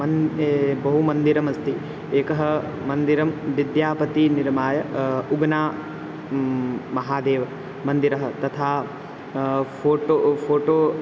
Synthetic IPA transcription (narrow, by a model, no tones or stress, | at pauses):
bɐɦumɐnd̪iɾɐmɐst̪i | eːkɐɦɐ̆ | mɐnd̪iɾɐmʋid̪jaːpɐt̪iniɾmaːjɐuɡnaː | mɐɦaːd̪eːʋɐ | mɐnd̪iɾɐɦɐ̆t̪ɐt̪ʰaː | pʰoːʈopʰoːʈoː